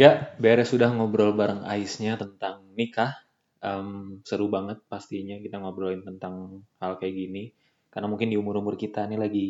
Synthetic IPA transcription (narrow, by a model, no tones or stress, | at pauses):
jaʔbeɾɛsudahŋobɾɔlbaɾəŋa̰ɪsɲat̪ənt̪aŋnikah | ʔəmsəɾubaŋət̪̚past̪iɲakit̪aŋobɾɔlɪnt̪ənt̪aŋhalkajaɡini | karnamuŋkɪndiumʊɾumʊrkit̪anilaɡi